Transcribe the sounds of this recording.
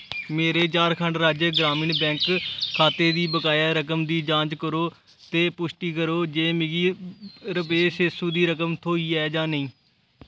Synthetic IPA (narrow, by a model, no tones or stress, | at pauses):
meːɾeːt͡ʃaːɾkʰəɳɖɾaːd͡ʒeɡɾaːmĩːnbɛ̃ːŋkkʰaːt̪eːd̪iːbəkaːjaːɾəkəmd̪iːd͡ʒãːt͡ʃkəɾoː | t̪eːpʊʃʈiːkəɾoːd͡ʒeːmɪɡiːɾəpeːʃɪsũːd̪iːɾəkəmt̪ʰoːiːɛːd͡ʒãːnəĩː